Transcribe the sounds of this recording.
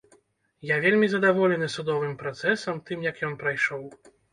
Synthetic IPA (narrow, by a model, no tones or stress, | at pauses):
javʲelʲmʲizɐd̪avɔlʲɛnɨsud̪ɔvɨmpɾat̪sɛsɐmt̪ɨmjɐkjɔnpɾajʂɔw